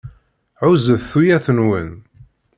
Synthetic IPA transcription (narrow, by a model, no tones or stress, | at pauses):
ʕʊzəθθujæθənwən